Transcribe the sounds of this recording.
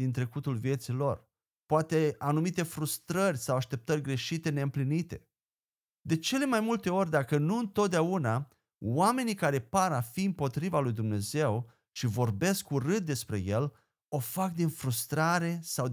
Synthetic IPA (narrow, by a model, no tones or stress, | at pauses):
int̪ɾe̞kut̪ulvije̞t̪silo̞r | poat̪e̞anumit̪e̞fɾust̪ɾərʲsawaʃt̪e̞p̚t̪ərʲɡɾe̞ʃit̪e̞ne̞ɨmplinit̪e̞ | d̪e̞t͡ʃe̞le̞majmult̪e̞o̞rʲd̪akənuɨnt̪o̞t̪̚d̪eauna | wame̞nikaɾe̞paɾafiɨmpo̞t̪ɾivalujd̪umne̞ze̞w | ʃivo̞rbe̞skuɾɨt̪̚d̪e̞spɾe̞̰je̞l | o̞fak̚d̪infɾust̪ɾaɾe̞saw